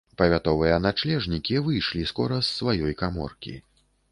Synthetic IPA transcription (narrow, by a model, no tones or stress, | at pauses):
pɐvʲat̪ɔvɨjɐnat͡ʂlʲɛʐnʲikʲivɨjʂlʲiskɔɾɐsːvajɔjkamɔ̰rkʲḭ